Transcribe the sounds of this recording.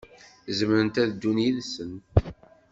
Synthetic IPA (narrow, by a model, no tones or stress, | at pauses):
zməɾənt̪æðd̪ːunjiðsən